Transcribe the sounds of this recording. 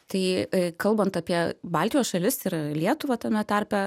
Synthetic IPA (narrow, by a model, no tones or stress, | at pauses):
t̪ɐɪkɐlˠbɐnt̪ɐpʲiɛbɑlʲt̪ʲɪjoːsʃɐlʲɪsɪɾlʲiɛt̪ʊʋɐt̪ɐmʲɛt̪ɑɾʲpʲɛ